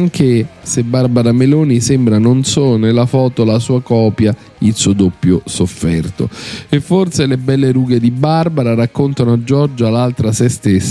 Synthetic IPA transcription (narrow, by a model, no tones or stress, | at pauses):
aŋk̟esebːarbaɾameloːnisembɾanonsonelːafɔːt̪olasuːakɔːpja | ilsuod̪opːjosofːɛrt̪o̰efːorselebɛlːeɾuːɡed̪ibarbaɾaɾakːont̪anoad͡ʒɔrd͡ʒoalːalt̪ɾasest̪esːa